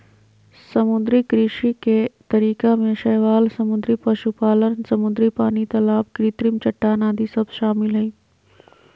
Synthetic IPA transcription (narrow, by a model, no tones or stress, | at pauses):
sɐmʊd̪ɾikɾiːʃiket̪ɐɾiːkamẽʃɛːʋaːlsɐmʊd̪ɾipɐʃupaːlənsɐmʊd̪ɾipaːnit̪ɐlaːb̚kɾiːt̪ɾɪmt͡ʃɐʈːanaːd̪ʱisɐbʃaːmɪlɦɛiː